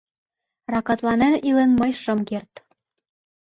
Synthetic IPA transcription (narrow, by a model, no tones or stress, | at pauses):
rɑkɑt̪lɑnænilenmɤjʃɤ̆mkert̪